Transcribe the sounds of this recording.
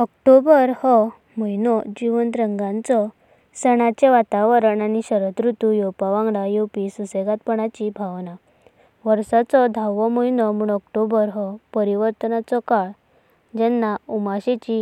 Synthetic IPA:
ɔkʈobəɾhɔ | mɔjnɔd͡ʑiʋənt̪ɾəŋɡãnt͡sɔ | səɽ̃at͡ɕeʋat̪aʋəɾəɳaniɕəɾət̪ɾut̪ujɔpaʋãŋɡɽajopisuseɡat̪̚pəɽat͡ɕibʱaʋna | ʋəɾsat͡sɔd̪ʱaʋɔmojnɔmuːɳɔkʈobəɾɦɔpəɾiʋəɾt̪ənat͡sɔkaɭ | d͡ʑɛnːaumaɕet͡ɕi

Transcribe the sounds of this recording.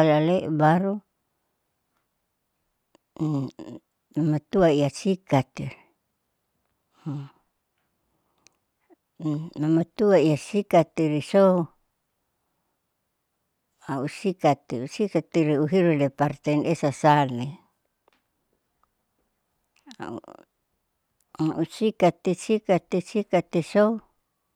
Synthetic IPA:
alaleʔbaɾu | mamat̪uaiasikat̪ir | mamat̪uaiasikat̪iɾisou | ausikat̪iusikat̪iɾiuɦiɾulepaɾt̪enesasale | a̰ | usikat̪it͡ʃikat̪et͡ʃikat̪esou

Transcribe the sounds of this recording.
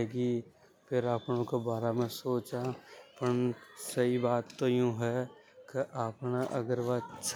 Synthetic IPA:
eːɡi | pʰɪɾaːpnõkebaːɾamẽsoːt͡ʃãpəɳsɐɦibaːt̪ːojũɦɛ | keʔaːpnaʔəɡəɾʋat͡ʃ

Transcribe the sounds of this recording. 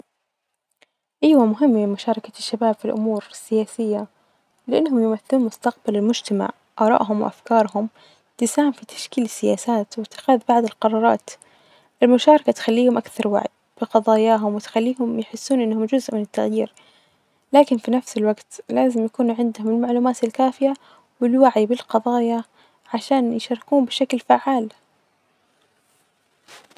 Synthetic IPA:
ʔajwamʊɦɪmːmɪmʊʃɑːɾˤɑkaʃːabaːbfilʔʊ̰muːɾɪsːɪjaːsɪjːa | lɪʔanːhʊmjʊmaθɪluːnmʊst̪aqbalɪlmʊd͡ʒt̪ama̰ʕ | ʔɑːɾˤɑ̰ːʔɦʊmwɪ̰ʔa̰fkɑːɾˤhʊm | t̪ɪsaːɪmfit̪ḁʃkiːlɪsːɪjaːsaːt̪wɪt̪ːɪ̥xaːðbaʕd̪ɪlqɑɾˤɑːɾˤɑːt̪ | ʔɪlmʊʃɑːɾˤɑkat̪xalːiːhʊmʔakθɑɾˤwa̰ʕɪd̪ | b̥ɪqɑðˤɑːjaːɦʊmwɪt̪xalːiːhʊmjɪħɪsːuːnʔɪnːhʊmd͡ʒʊzʔmɪnɪt̪ːaɣjḭːɾ | laːkɪnfinafsɪlwaɡt̪laːzɪmjakuːnʕɪnd̪hʊmɪlmaʕluːmaːt̪ɪlkaːfɪja | wɪlwaʕibɪlqɑðˤɑːja | ʕaʃaːnjɪʃɑɾˤɪkuːmbɪʃaklfaʕːaːl

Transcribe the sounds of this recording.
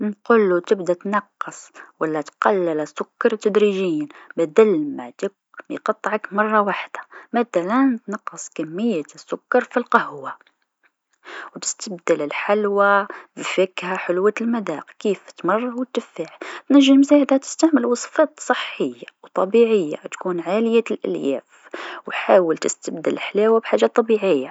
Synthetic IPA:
nqʊlːut̪ɪbd̪at̪nɑqːɨsˤwalːat̪qɑlːɪlsːʊkːɑɾˤt̪ːæd̪ɾiʒiːnbæd̪ælmaʕd̪ɪk̚ | mjqɑt̪ˤːʕɑkmɑrˤːɑwaħd̪̥ḁmæt̪ælant̪nɑqːəsˤkamːɪjːasːʊkːɑɾˤfilqɑhwa | wt̪ɪ̥st̪ab̚d̪alɪlħalwabifɪkhaħʊlwalmad̪a̰ːqkiːft̪mɑrˤːɑwət̪ːɪfaʕt̪næʒːɪlmsaːʕɪd̪hat̪ɪ̥st̪aʕməlwɑsˤfɑːt̪sˤɨħːəjːawt̪ˤɑbiʕɪjːa̰t̪kuːnʕaːlɪjalʔɪ̰ljæ̰ːf | wħaːwəlt̪ɪst̪ab̚d̪alħlawabħaːʒːat̪ˤːɑbiʕɪjːa

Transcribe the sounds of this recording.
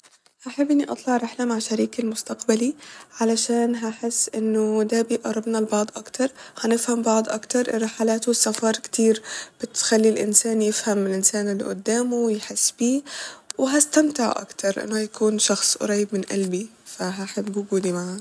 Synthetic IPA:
haħabʔɪnːiʔɑ̰t̪ˤlɑʕɾɪħlamaʕʃaɾiːkalmʊst̪aqbaliʕalaʃaːnɦaħɪsːʔɪnːʊd̪abiːʔɑɾˤɑbnalbɑʕd̪ˤʔakt̪ʰɑɾˤhanɪfhambɑʕd̪ˤʔakt̪ɑɾˤʔɪrːɪħalaːt̪usafɑɾˤkt̪iːɾb̥ɪt̪xalːilʔɪnsaːnjɪfhamɪlʔɪnsaːnɪlːḭʔʊ̰d̪ːaːmuwjħɪsːbiːwɦast̪amt̪ɪʕ̰ʔa̰kt̪ɑɾˤʔɪ̰nːʊhajakuːnʃɑxsˤɾˤɑjːɪbmɪnʔa̰lbifaɦaħɪbːʊɡuːd̪imaʕa

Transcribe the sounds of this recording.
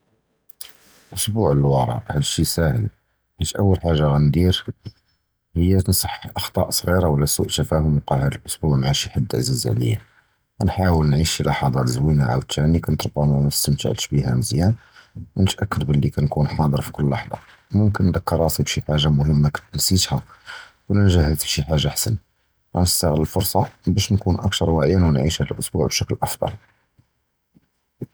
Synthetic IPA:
ʔʊsbuʕəlwɑɾˤɑ̰ʔhælʃisæhə̰l | hæʃʔəwːəlħaʒːaɣænd̪iɾ | həjːansˤɑħʔɑxt̪ˤɑ̰ʔsˤɣiɾawəlːæsuʔt̪æfæhʊmqɑʕhæd̪əlʔʊsbuʕmʕaʃiħad̪ːʕzizʕlḭjːæ | ænħawəlnʕiʃilʔɑħɑd̪ˤɑləzwinaʕa̰wt̪ːænikænt̪ɾˤbːɑmææst̪əmt̪ə̰ʕlʃbihæməzjænwnət̪ʔækːəd̪bəlːikænkunħɑd̪ˤəɾˤfi̥kʊlːwɑħd̪ˤɑ̰ | mʊmkənːd̪əkːɑɾˤɑsibʃiħaʒːamʊhəmːaknt̪ːnsit̪hæ | wlænʒæhəlt̪əbʃiħaʒːaħasən | ʔænəst̪aɣələlfʊɾsˤɑbæʃnkunʔæk̚t̪ɑɾˤwæʕjænwənʕiʃhæləlʔʊsbuʕbʃæklʔɑfd̪ˤɑ̰l

